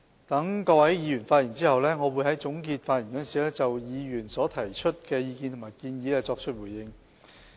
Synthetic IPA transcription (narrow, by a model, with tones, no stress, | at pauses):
t̪ɐ˨˥ŋkɔː˧wɐ˨˥jjiː˨˧jyː˨˩nfaː˧t̚ji˨˩nt͡siː˥hɐ˨wlɛː˥ŋɔː˨˧wuː˨˧jhɐ˨˥jt͡sʊ˨˥ŋkiː˧t̚faː˧t̚jiː˨˩nkɔ˨˥nsiː˨˥lɛː˥t͡sɐ˨wjiː˨˧jyː˨˩nsɔː˨˥t̪ʰɐ˨˩jt͡ʃʰɵ˥t̚kɛː˧jiː˧ki˧nt̪ʰmaː˨˩jkiː˧njiː˨˧lɛː˥t͡sɔː˧k̚t͡ʃʰɵ˥t̚wuː˨˩jɪ˧ŋ